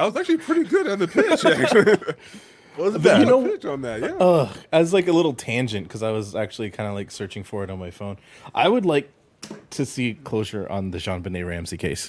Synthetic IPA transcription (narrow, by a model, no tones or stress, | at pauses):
aɪt̚wʌzæk̚t͡ʃʉl̩ˠipʰɹ̥ɪɾiɡʊɾn̩ðɨpʰɪt͡ʃæ | wʌzðjɨoʊɪt͡ʃn̩ðæt̚jæʌɨzlaɪkɨlɪɾl̩ˠtʰæ̃nd͡ʒɨ̃nt̚kʰʌzaɪwʌzæk̚t͡ʃʉl̩ˠikʰãɪ̃ndəlaɪksɜ˞t͡ʃɪ̃ŋfə˞ɨɾn̩maɪfõʊ̃n | ʔa̰ɪwɨdˡlaɪk̚ | tʰɨsikʰl̥oʊsə̰˞ʔə̰̃nðɨʒɑ̃nbɨneɪɹæ̃msikʰeɪs